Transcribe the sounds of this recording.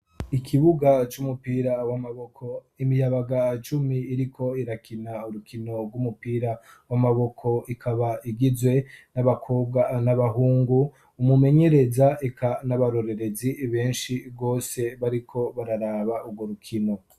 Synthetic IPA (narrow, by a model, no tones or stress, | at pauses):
ikʰiβuɡat͡ʃumupiːɾawamaβokʰo̞ | imijaβaɡat͡ʃumiːɾikʰo̞iɾakʰinauɾukʰino̞ɾɡwumupiːɾa | wamaβo̞kʰo̞ikʰaβaʔiɡizwe̞naβakʰob̚ɡanaβaɦuːŋɡuː | mume̞ɲe̞ɾe̞zaekʰanaβaɾo̞ɾe̞ɾe̞ziβe̞ːnʃiɡo̞ːse̞βaɾikʰo̞βaɾaɾaβauɡwoɾukʰino̞